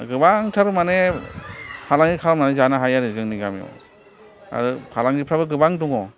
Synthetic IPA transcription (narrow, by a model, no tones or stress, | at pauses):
ɡɯbaŋtʰaɾmane | pʰalaŋikʰaɾmanezanaɦajaɾɯzɯŋniɡamijɔ̰ | a̰ɾɯkʰalaŋdipʰɾabɯɡɯbaŋduŋɔ